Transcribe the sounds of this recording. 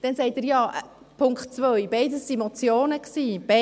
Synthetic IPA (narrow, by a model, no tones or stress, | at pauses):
d̥ɛnsɛɪtɪːɾjɑːʔ | pʰʊŋktt͡sʋœʏjbɛɪdəsːimɔt͡sjoːnəksiːb̥ɛ